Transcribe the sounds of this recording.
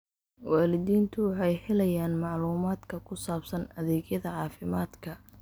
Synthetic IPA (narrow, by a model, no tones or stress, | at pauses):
wɑːlɪðiːnt̪ʰʊwɑħɑjħɛlɐjaːnmɑʕluːmaːd̪kʰɐkʰʊsaːbsɐnɐðɛːɡjɐðɐʕɑːfɪmaːd̪kʰɐ